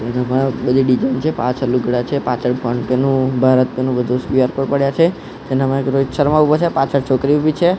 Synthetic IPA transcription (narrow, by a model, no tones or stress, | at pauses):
d͡ʒenamãbəd̪ʱiɖid͡ʒant͡ʃʰepã̰t͡ʃʰəlːuɡʱəɽat͡ʃʰepat͡ʃʰəɽpaɳʈkenũbʱaɾət̪̚kenũbəd̪ʱũsiaɾkoɾpəɽjat͡ʃʰe | d͡ʒenamãekɾod͡ʒsəɾmãupət͡ʃʰepat͡ʃʰəɽt͡ʃʰokɾiubʱit͡ʃʰe